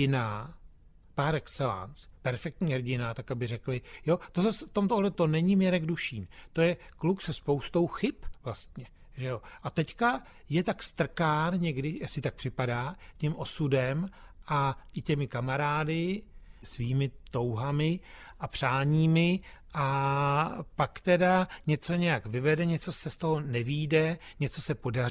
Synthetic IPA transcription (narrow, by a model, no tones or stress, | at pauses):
ɪna | paːɾɛkst͡sɛla̰nt͡spɛɾfɛk̚t̪ɲiːɦrɟɪnat̪akabɪrɛklɪjo̞t̪o̞zasɛft̪o̞mt̪oɦlɛt̪o̞nɛɲɪmɛɾɛɡduʃiːnt̪o̞jɛkluksɛspo̞wst̪o̞wxɪpvlast̪ɲɛ | ʒɛjo̞ʔat̪ɛcka | jɛt̪akst̪r̩kaːnɲɛɡdɪjasɪt̪ak̚pr̥ɪpadaːcɛmʔo̞sudɛmʔaʔɪcɛmɪkamaɾaːdɪsviːmɪt̪o̞wɦamɪʔapr̝̥aːɲiːmɪ | ʔa | pakt̪ɛdaɲɛt͡so̞ɲɛjakvɪvɛdɛɲɛt͡so̞sɛst̪o̞ɦo̞nɛviːdɛɲɛt͡so̞sɛpo̞da